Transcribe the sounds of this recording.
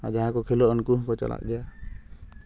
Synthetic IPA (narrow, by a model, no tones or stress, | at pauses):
ad͡ʒaɦãkɔkʰɛlɔʔnkuɦkɔt͡ʃa̰la̰ʔd̪ɛja